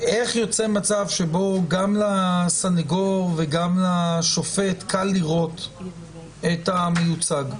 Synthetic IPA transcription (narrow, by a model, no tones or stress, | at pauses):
e̞χjo̞t͡se̞mat͡savʃebo̞ɡamlasaneɡoʁveɡamlaʃo̞fe̞tkʰalːiʁo̞t | etamejut͡saɡ